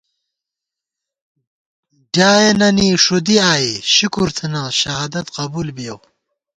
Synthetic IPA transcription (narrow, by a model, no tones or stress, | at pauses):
daːjenɐniʂud̪iaːiɕukuɾt̪ʰinaɕɐɦaːd̪ɐt̪qɐbulbijɐw